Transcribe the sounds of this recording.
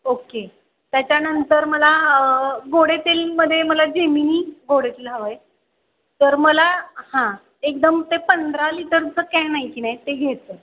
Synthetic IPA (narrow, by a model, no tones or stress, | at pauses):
oke | t̪jat͡ɕjanənt̪əɾməlaəɡoɽet̪elməd̪ʱːjeməlad͡ʑeminiːɡʱoɽet̪elɦaʋəj | t̪əɾməlahã | ek̚d̪əmt̪epənd̪ʱɾaliʈəɾut͡səkajnaɦikiːnajt̪eɡʱet̪ə